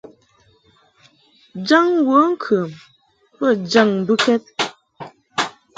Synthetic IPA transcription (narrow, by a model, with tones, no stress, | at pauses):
d͡ʒa˦ŋwə˨˦ŋ̩˦kʰə˨m | pə˦˨d͡ʒa˦˨ŋ̩˨bu˦kɛ˦t̚